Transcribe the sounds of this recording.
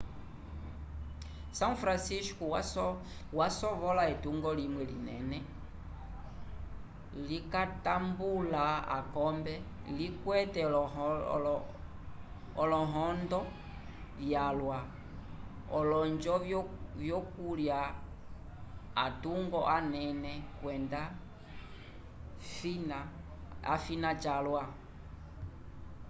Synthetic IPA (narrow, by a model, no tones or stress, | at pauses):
saŋfɾansisku | wasɔvɔlaɛtuŋɡɔlimwɛlḭnɛ̰nɛ | likatambulaa̰kɔmbɛlikwɛtɛlɔ | ɔlɔɦɔndɔ | vjalwa | ɔlɔɲd͡ʒɔvjɔkulja | a̰tuŋɡɔʔanɛnɛkwɛnda | finaafinat͡ʃalwa